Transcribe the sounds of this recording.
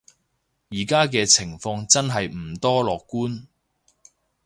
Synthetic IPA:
jiː˨˩kaː˥kɛː˧t͡sʰɪ˨˩ŋfɔː˧ŋt͡sɐ˥nɦɐ˨jm̩˨˩t̪ɔː˥lɔː˨kːuː˥n

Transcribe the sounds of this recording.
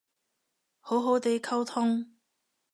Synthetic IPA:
ho˨˥wɦo˨˥wt̪e˨˥jkʰɐ˥wt̪ʰʊ˥ŋ

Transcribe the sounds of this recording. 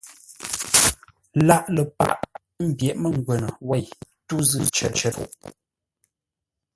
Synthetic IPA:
la˦ʔlə˨pa̰˦˨ʔ | m̩˦˨bjɛ˨ʔmə˨ŋ̩˨ɡwɛ˨nə˨wɛ˦˨j | tu˦zɨ˦t͡ʃə̰˨t͡ʃə˦tṵ˦˨ʔ

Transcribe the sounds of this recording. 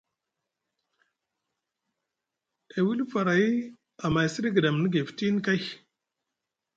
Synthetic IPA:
a˨wi˦lfa˨ɾa˨˦ | a˨ma˨jsi˦ɾi˦ɡə˨da˨m˨ni˦ɡe˨fi̥˨ti˦n˦ka˦j

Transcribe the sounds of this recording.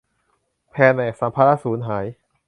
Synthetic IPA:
pʰɛː˧nʔɛː˨˩k̚sa˩˦mpʰa˧˥la˦˥suː˩˦nɦaː˩˦j

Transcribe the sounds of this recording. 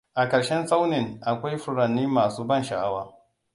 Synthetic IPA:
ʔa˨kɐ˨ɽʃɛ˦nsʼa˦wnɪ˨ŋʔa˨kʷa˦jɸʊ˨ɽɐ˨nːiː˦maː˨suː˦bɐ˦˨nʃɐ˨ʔa˦waː˨

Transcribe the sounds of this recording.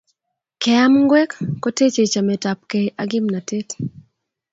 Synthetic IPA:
kɛ˨a˦mŋɡwɛ˦kːɔ˦te˦t͡ʃe˨t͡ʃa˨mɛ˨ta˨p̚ke˨ʔaɡɪ˦mna˨te˦t

